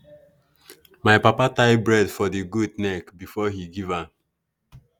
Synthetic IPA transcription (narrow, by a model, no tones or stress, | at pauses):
majpapataɪbɹɛdfɔðiɡudnɛkbifɔhiɡiva